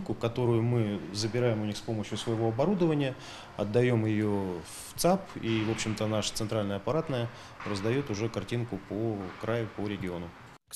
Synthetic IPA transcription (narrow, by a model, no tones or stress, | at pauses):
nkʊkɐt̪o̞ɾʊjʊmɨzəbʲɪɾajɪmʊnʲixspo̞məɕjʊsvəjɪvo̞ɐbɐɾud̪əvənʲɪjə | ɐ̰d̪ːɐjo̞mjɪjo | ft̪sapivo̞pɕːɪmt̪ənaʂə̥t̪sɨnt̪ɾalʲnəjəɐpɐɾat̪nəjə | rəzd̪ɐjo̞t̪ʊʐɛkɐrtʲinkʊpokɾajʊpoɾʲɪɡʲɪo̞nʊ